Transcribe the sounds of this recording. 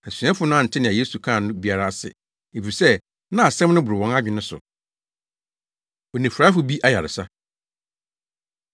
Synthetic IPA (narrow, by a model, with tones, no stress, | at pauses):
æ˨sɥã˦fʊ˨˦nʊ̃˦n̩˨tʰɪ˦nɪ̃˨a˨je˦su˨kʰã˦˨nʊ̃˦bi˦a˨ɾa˦˨sɪ̰˨ | e˨fi˨sɛ˦ | nã˦a˨sɛ̃˦mnʊ̃˦bʊ˨ɾɪ˨wɔ̃˦na˦d͡ʑᶣɪ˨nʊ̃˦sʊ̰˨ | ɔ˨nĩ˨fɾa˨˦fʊ˨bi˦ʔa˦ja˨ɾɪ˨sa˦